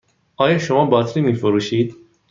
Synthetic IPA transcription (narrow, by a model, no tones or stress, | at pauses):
ɒːjɒːʃomɒːbɒːt̪ʰɾiːmiːfoɾuːʃiːd̪